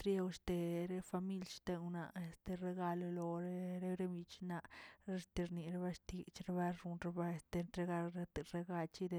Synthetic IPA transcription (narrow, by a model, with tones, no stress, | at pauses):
t̪ɾje˦wʃt̪e˧ɾe˦fa˧mi˦lʃt̪e˧na˧e˨st̪e˧ɾe˧ɡa˧lo˧lo˧ɾe˦ɾe˦ɾe˦mi˧t͡ʃna˧ʔɾe˦st̪i˧ɾni˨ɾe˦βa˦ʂt̪i˧t͡ʃɾe˦βa˦ɾu˧nɾe˧ba˧e˨st̪e˧nɾe˧ɡa˧ɾe˧t̪e˧ɾe˧ɡa˧t͡ʃi˦d̪e˧